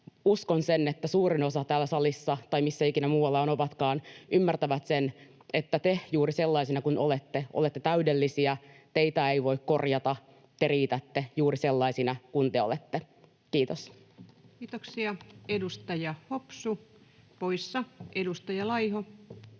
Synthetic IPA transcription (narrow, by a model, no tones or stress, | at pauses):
uskonsenet̪ːæsuːrino̞sɑt̪æːlːæsɑlisːɑt̪ɑimisːæikinæmuːɑlːɑonopɑt̪kɑːnʔymːært̪æʋæt̪sen | et̪ːæt̪ejuːrise̞lːɑisinɑkunolet̪ːeʔolet̪ːet̪æydelːisiæt̪e̞it̪æeiʋo̞ikko̞rjɑt̪ɑ | t̪eriːt̪æt̪ːejuːrise̞lːɑisinɑkunt̪eolet̪ːe | kiːt̪os | kiːt̪oksiɑedust̪ɑjɑhopsupoijsːɑʔedust̪ɑjɑlɑjho